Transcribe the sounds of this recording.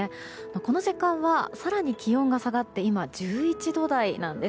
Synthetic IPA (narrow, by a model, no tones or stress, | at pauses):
e | moko̞no̞ʑikãɰ̃βasaɾaɲ̟ikʲijõ̞ŋɡasaɡat̪ːe̞imad͡ʑɨːit͡ɕid̪o̞d̪ainãnd̪e̞